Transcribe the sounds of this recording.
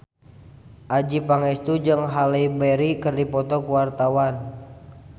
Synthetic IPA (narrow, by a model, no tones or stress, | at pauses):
ʔad͡ʒipaŋɛst̪ud͡ʒɨŋɦaleibɛɾikɨrdipɔt̪ɔkuwart̪awan